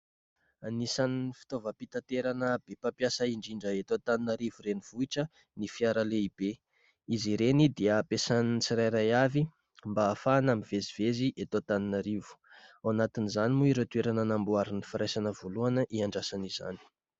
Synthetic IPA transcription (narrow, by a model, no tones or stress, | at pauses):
anisanifi̥t̪ovəpit̪at̪eɾanəbepapjasəiɳɖ͡ʐiɳɖ͡ʐəet̪ot̪aninaɾivuɾeniv̥uiʈ͡ʂə | nifiaɾaleib̥e | iziɾenid̪iəpesanit͡siɾajɾajavi | mbaːfanamiveziveziʔet̪ot̪aninaɾivu̥awnat̪inizanimuiɾot̪ueɾananambuaɾinifiɾajsanəvoluanəʔiaɳɖ͡ʐasaniz̥a̰ni̥